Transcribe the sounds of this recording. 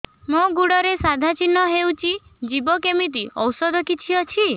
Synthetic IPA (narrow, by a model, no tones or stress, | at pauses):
mõɡuɽɔɾesad̪ʱat͡ʃinːɔɦewt͡ʃʰid͡ʒibɔkemit̪̬iʔɔwsɔd̪ɔkit͡ʃʰiɔt͡ʃʰi